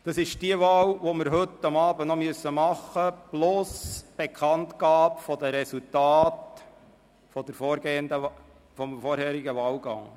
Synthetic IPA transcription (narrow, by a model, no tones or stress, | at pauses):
d̥̪ɑsɪʃd̥iəʋɑːwʋoməɾɦɵt̪ːɑmɑːbənɔmyəsːəmɑχːəb̥losb̥ekʰχɑnt̪ɡɑːpfɔd̪əɾɛsutɑːt | fɔd̥̪əɾfɔːɾɡ̥eːənd̪ə | fɔmfɔɾhɛːɾiɡəʋɑːwɡɑ̰ŋ